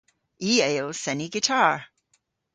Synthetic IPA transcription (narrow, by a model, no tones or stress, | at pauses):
ʔieɪlˠsɛniɡɨtʰɑɹ